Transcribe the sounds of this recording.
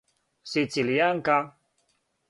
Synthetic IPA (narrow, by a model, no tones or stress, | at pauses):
sit͡siljaŋ̩ka